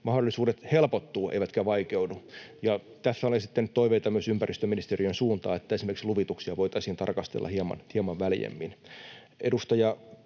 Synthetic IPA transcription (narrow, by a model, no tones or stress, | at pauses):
mɑhdolːˑisuːdet̪helpot̪ːuːḛiʋæt̪kæʋɑikeudujɑ | t̪æθːæolensit̪ːenyt̪oiʋeit̪ɑmyøsympærist̪øminist̪erijønsuːnt̪ɑ̰ːet̪ːæesimerksluʋit̪uksiɑʋoit̪ɑisiːnt̪ɑ̰rkɑst̪ḛlːɑ̰hiɑmɑ̰nhiɑmɑʋʋæljḛmːin | ʔedust̪ɑjɑ